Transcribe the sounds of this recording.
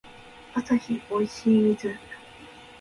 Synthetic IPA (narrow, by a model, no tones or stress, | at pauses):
asaçio̞iɕiːmʲizɨ